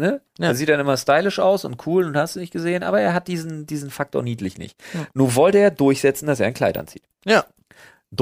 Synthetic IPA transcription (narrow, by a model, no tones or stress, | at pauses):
nəː | ɐziːt̚d̥anʔɪmɐstaɪlɪʃʔa̰ʊsʊ̰nt̚kʰuːlʊnthastd̥uːnɪçt̚ɡ̥əzeːənʔaːbɐeːɐɦat̚d̥iːzn̩diːzn̩fak̚tʰo̰ɐniːdlɪçnɪ̰çtnuːɐvɔltəeːɐdʊɐçz̥ɛt͡sn̩das̬eːɐaɪnkʰla̰ɪtʔa̰nt͡sḭːt | d